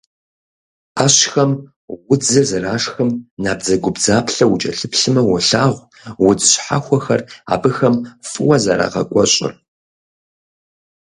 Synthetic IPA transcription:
aːɕxɐm | wʊd͡zɨzɨraːʂxɐmnaːbd͡zɐɡʷʊbzaːpɬɐwʊt͡ʃʼɐɬɨpɬɨmɐwʊɬaːʁʷ | wʊd͡zɨɕħa̰xʷɔxɐra̰ːbɨxɐmfʼɨwɐza̰ɾa̰ːʁɐkʷʼɔɕʼɪ̰r

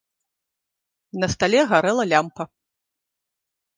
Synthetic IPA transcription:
nɐst̪alʲɛɣaɾɛlˠɐlʲampɐ

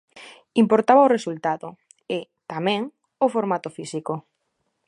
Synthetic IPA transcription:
impoɾt̪aβaoresult̪aðo | ɪt̪amɛ̃ŋ | ʊfoɾmat̪ofisiko

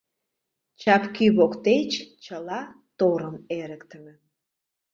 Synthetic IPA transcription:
t͡ɕɑpkyβokt̪et͡ɕt͡ɕəlɑ | t̪oɾə̆meɾəkt̪ə̆mĕ

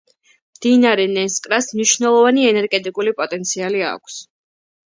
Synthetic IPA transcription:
md̪̥inaɾɛnɛskʼɾasmniʃvnɛlˠɔvaniɛnɛɾɡɛt̪ʼikʼulipʼɔt̪ʼɛnt̪sʰialia̰kʷʰs

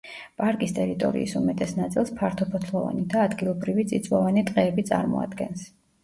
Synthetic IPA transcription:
pʼaɾkʼist̪ʼɛɾit̪ʼɔ̰ɾḭisumɛt̪ʼɛsnat̪sʼilˠspʰaɾt̪ʰɔpʰɔt̪ʰlˠɔva̰nid̪aːd̪ɡilˠɔbɾivit̪sʼit̪sʼwɔvanit̪ʼqʼɛːbit̪sʼa̰ɾmɔ̰a̰d̪ɡɛns

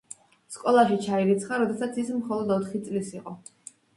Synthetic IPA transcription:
skʼɔlˠaʃit͡ʃʰaiɾit̪sʰχaɾɔd̪ɛsat̪sʰismχɔlˠɔd̪ɔt̪ʰχit̪sʼlisiqʼɔ

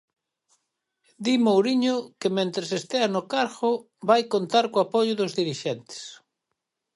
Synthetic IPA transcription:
d̪imowɾiɲʊkɪmẽnt̪ɾesest̪eanʊkaɾɣʊ | βajkont̪aɾkoapoʎʊðʊzðiɾiʃɛnt̪ɪ̥s

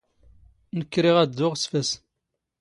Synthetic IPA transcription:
nəkːɾiʁæd̪ːʊʁsfæs

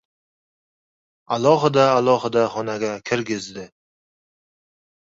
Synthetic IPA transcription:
alˠɒɦɪd̪aːlˠɒɦɪd̪aχɒnaɡʲakʲʰɪɾɡʲɪzd̪ɪ

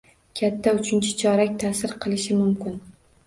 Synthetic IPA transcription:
kʲʰat̪ʰːaʊt͡ʃʰɪnt͡ʃʰɪ̥t͡ʃʰɒɾakʲt̪ʰasɪɾqʰɨlˠɪʃɪmʊmkʲɪn

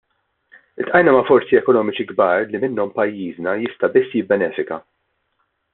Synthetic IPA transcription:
ɪlt̪ʔɐjnɐmɐfɔɾsiɛkɔnɔːmɪt͡ʃiɡbɐːɾlimɪnːɔmpɐjːiːznɐjɪst̪ɐbɪsːjɪbːɛnɛːfɪkɐ

